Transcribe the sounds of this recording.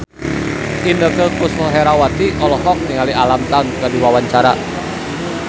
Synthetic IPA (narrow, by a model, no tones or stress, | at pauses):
ʔindəkəkʊsɔɦɛɾawat̪iʔɔlɔɦɔk̚niŋalialamt̪aŋkadiwawaɲt͡ʃaɾa̰